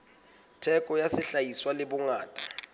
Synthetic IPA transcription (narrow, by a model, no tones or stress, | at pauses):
tʰɛkʼɔjasɪɬajiswalɪbʊŋaːtʼa